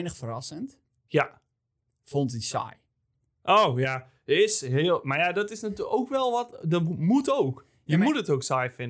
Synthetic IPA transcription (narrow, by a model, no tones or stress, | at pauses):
nəxfərɑsənt | ja | fontisa̰j | ʔowja | əɪsɦeəlˠmarjadɔtɪsnətoːkʋɛlˠʋɔtdɔmutowk | jəmutətoksajfɪn